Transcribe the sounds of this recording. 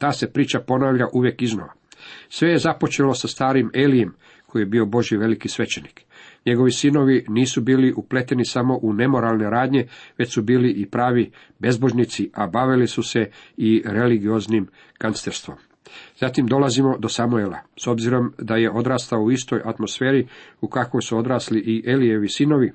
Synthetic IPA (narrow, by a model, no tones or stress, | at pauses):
t̪aːse̞pɾiːt͡ʃapo̞naːʋʎaʔuʋje̞kizno̰ʋa | sʋe̞je̞zapo̞t͡ʃe̞lo̞sast̪aːɾime̞ːlije̞m | kʰo̞jijebio̞bo̞ʒjiʋe̞likisʋe̞t͡ʃe̞nik | ɲe̞ɡo̞ʋisino̞ʋiniːsubiːliʔuple̞t̪e̞nisamo̞ʔune̞mo̞ɾalˠne̞ɾaːd̪ɲe̞ʋe̞t͡ɕsubiːliʔipɾaːʋi | be̞zbo̞ʒnit̪siʔabaʋilisuse̞iɾe̞liɡio̞znim | kanst̪eɾst̪ʋo̞m | z̥at̪imd̪o̞lazimo̞d̪o̞samuelˠa̰so̞bziɾo̞md̪aje̞ʔo̞d̪ɾaːst̪aouist̪o̞jʔat̪mo̞sfe̞ːɾiukako̞jsuo̞d̪ɾaːsliʔiʔelie̞ʋisino̞ʋi